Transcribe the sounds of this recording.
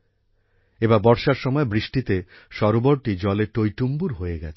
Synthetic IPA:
ebabɔɾʃaɾʃɔmɔebɾiʃʈit̪e | ʃɔɾoboɾʈid͡ʑɔleʈojʈumbuɾɦoeɡɛt͡ɕʰe

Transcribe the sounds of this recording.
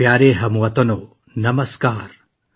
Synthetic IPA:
jaːɾeːɦɐmuʋɐt̪ɐnoː | nɐmɐskaːɾ

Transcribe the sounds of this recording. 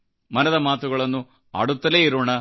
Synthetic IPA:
mɐnɐðɐmaːt̪uɣɐɭɐnːu | ɐ̰ɽut̪ːɐleːiɾuːɳɐ

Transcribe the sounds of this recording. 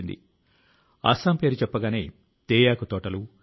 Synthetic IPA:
ind̪ḭ | a̰ːsaːmpe̞ːɾut͡ʃɛpːɐɡaːne̞ː | t̪eːjaːkut̪ɔːʈɐlu

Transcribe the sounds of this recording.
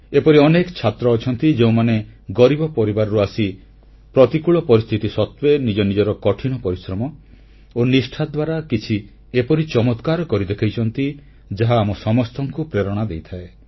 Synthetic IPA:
epɔɾiɔnekɔt͡ʃʰat̪ɾɔːt͡ʃʰɔnt̪id͡ʒeũmaneɡɔɾibɔpɔɾibaɾɔɾuasi | pɾɔt̪ikuɭɔpɔɾist̪ʰit̪isɔt̪wenid͡ʒɔnid͡ʒɔɾɔkɔʈʰiñɔpɔɾisɾɔmɔ | onisʈʰad̪waɾakit͡ʃʰi | epɔɾit͡ʃɔmɔt̪kaɾɔkɔɾid̪ekʰajt͡ʃʰɔnt̪i | d͡ʒaɦaːmɔsɔmɔst̪ʰɔŋkupɾeɾɔɽ̃ad̪ejt̪ʰae

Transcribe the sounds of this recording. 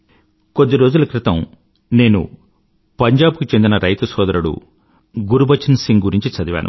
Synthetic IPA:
ko̞d̪ːiɾoːd͡ʒulɐkɾɪt̪ɐm | ne̞ːnṵ | pɐɲd͡ʒaːbkut͡ʃe̞nd̪inɐɾʔɐjt̪ɐsɔːd̪ɐɾuɽṵ | ɡuɾubɐt͡ʃːɐnsiŋɡɡuɾiɲt͡ʃit͡ʃɐd̪iʋa̰ːnʔṵ

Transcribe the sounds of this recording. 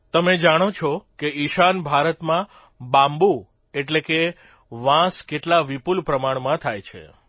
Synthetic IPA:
t̪əmed͡ʒaɽ̃ot͡ʃʰɔkeiʃanbʱaɾət̪mã | bãmbu | eʈleke | ʋãskeʈlaʋipulpɾəmaɳmãt̪ʰajt͡ʃʰḛ

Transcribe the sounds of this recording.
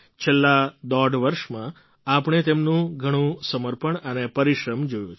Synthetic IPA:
t͡ʃʰelːad̪ɔɖʋəɾʃmã | apəɳ̃et̪emnũɡʱəɽ̃ũsəməɾpəɳənepəɾiʃɾəmd͡ʒojũt͡ʃʰ

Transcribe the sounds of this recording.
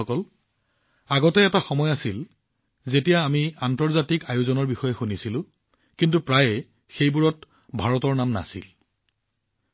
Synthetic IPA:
ɔkɔl | aɡɔtɛːtaxɔmɔjasil | zetijaːmiantɔɹzatikajʊzɔnɔɹbixɔjɛxunisilʊ̃ | kintupɹajɛ | xejbuɹɔt | bʱaɹɔtɔɹnamna̰sḭl

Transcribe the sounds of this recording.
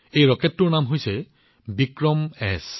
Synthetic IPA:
ejɹɔkɛtːʊɹnamɦojsɛ | bikɹɔmɛs

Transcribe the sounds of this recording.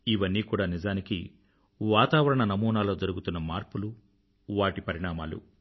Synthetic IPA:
iʋɐnːiːkuːɽaːnid͡ʒaːnikḭ | ʋaːt̪aːʋɐɾɐɳɐnɐmuːnaːlo̞ːd͡ʒɐɾuɡut̪unːɐmaːɾpulu | ʋaːʈipɐɾiɳaːmaːlṵ

